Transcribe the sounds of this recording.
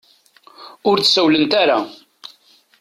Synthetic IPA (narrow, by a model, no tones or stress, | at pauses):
ʊɾθsəwlənt̪aɾa